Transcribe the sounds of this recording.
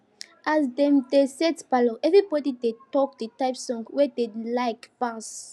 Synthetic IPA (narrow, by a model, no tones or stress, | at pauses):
ʔazdɛ̃mdesɛdbaloʔɛvɹibɔdidetɔk̚dətaɪpsɔ̃ŋɡwɛdelaɪkpas